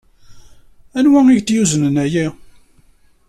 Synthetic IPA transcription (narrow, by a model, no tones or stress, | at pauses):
ænwæiʝt̪juzənənæjæ